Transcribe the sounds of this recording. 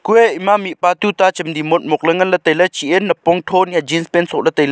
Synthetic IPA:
kuɛimamiʔpat̪ut̪at͡ʃəmd̪imot̪̚mɔk̚ləŋənlət̪əjlət͡ʃiʔɛnːəpɔŋt̪ʰɔnad͡ʒinspɛnsɔʔlət̪əjlə

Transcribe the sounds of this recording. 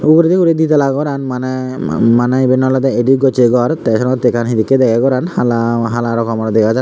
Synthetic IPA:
uɡɾed̪ikuɾed̪it̪alaɡɔɾanmanamanajbenːɔlat̪aeɖiɡɔt͡ɕeɡɔɾt̪ɛʃɔɾɔt̪ekanɦid̪ikːed̪ɛkʰaɡɔɾanhalaɦalaɾɔkɔmaɾad̪ɛkʰad͡ʒa

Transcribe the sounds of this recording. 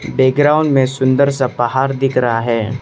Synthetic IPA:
beːɡɾaːʊ̃ɳɖmẽsʊ̃nd̪əɾsapɐɦaːɾd̪ɪkʰɾaɦaɦɛː

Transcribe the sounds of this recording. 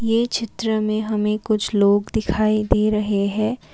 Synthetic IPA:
jeːt͡ʃʰɪt̪ɾəmẽɦɐmẽkʊt͡ʃʰloːɡd̪ɪkʰaːid̪eːɾɐɦeɦɛ̃ː

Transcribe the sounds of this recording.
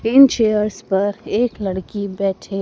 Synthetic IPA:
ɪnt͡ʃeːəɾspɐɾeːklɐɽkibɛːʈʰe

